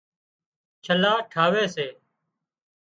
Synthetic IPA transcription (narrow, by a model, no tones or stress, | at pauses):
t͡ʃʰəlaːʈʰaːʋeːseː